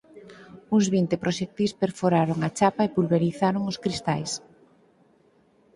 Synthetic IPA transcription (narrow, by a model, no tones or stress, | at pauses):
uŋzβint̪ɪpɾoʃek̚t̪ispeɾfoɾaɾoŋat͡ʃapaepulβeɾiθaɾoŋʊskɾist̪ajs